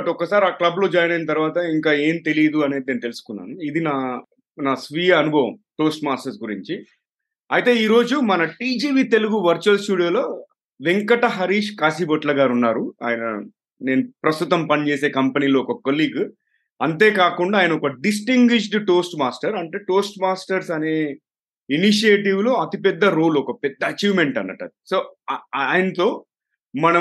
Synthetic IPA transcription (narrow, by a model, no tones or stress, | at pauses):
ʈɔkːɐsaːɾiaːklɐblo̞ːd͡ʒaːjɐnaːjinɐt̪̬ɐɾʋaːt̪ɐiŋkaːe̞ːmt̪e̞lijɐd̪uɐneːd̪ineːnt̪elusu̥kunːa̰ːnuid̪inaː | naːsʋiːjaɐnuboːʋɐ̰mʈo̞ːsʈmaːsʈɐɾsɡuɾiɲt͡ʃi | ɐjt̪e̞ːiːɾo̞ːd͡ʒumɐnɐʈiːd͡ʒiːʋiːt̪e̞luɡuʋɐɾt͡ʃuɐlsʈuːɽijoːlo̞ː | ʋeŋkɐʈɐɦɐɾiːʂkaːsiːboʈlɐɡaːɾunːaːɾua̰ːjɐnɐ | ne̞ːnupɾɐst̪ut̪ɐmpɐnt͡ʃe̞ːse̞ːkɐmpɐniːlo̞ːɔkɐkoliːɡ | ɐnt̪e̞ːkaːkuɳɖaːjɐnɐɔkɐɖis̬ʈiŋɡʋiʃ̬ɖʈoːsʈmaːsʈɐɾɐɳʈeːʈo̞ːsʈmaːsʈɐɾsɐne̞ː | iniʃ̬ieːʈiʋlo̞ːɐt̪ipɛd̪ːɐɾoːlɔkɐpɛd̪ːɐːt͡ʃiːʋme̞ɳʈɐnːɐ̰ʈːɐ̰d̪iso̞ː | jɐnɐt̪oː | mɐnɐ